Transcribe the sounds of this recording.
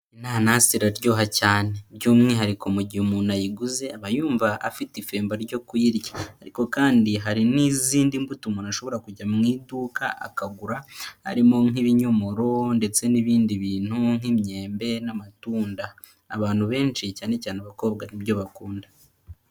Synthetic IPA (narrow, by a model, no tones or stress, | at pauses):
inaːnahsiɾaɾɟo̞ːɦacaːne̞ɾɟoːmŋeiɦaɾiko̞muɟihumuːnajiɡuze̞aβajuːɱvaʔːfitife̞ːmbaɾɟo̞kuiɾɟḁhaɾiko̞kaːndiɦaɾiniziːndimbutumonaʃo̞βo̞ɾakuɟamŋiːduːkaʔa̰kaɡuɾaha̰ɾimo̞ŋ̥iβiɲo̞mo̞ɾo̞nde̞t͡se̞niβiːndiβiːn̥huŋ̥imɲe̞ːmbe̞namatuːndaː | βaːn̥huβe̞ːnt͡ʃicaːne̞caːnaβako̞ːb̚ɡaniβjo̞βakuːnda